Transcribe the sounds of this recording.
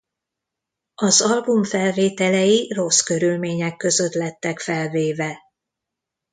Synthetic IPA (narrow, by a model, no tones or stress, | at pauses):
ɒzɒlbumfɛlveːt̪ɛlɛjiro̞skø̞ɾylmeːɲɛkːø̞zø̞t̪lɛt̪ːɛkfɛlveːvɛ